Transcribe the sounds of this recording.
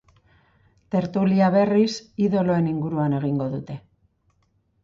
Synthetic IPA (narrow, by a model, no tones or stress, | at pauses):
t̪e̞ɾt̪uliaβe̞risiðo̞lo̞e̞niŋɡuɾuane̞ɣ̞iŋɡo̞ðut̪e̞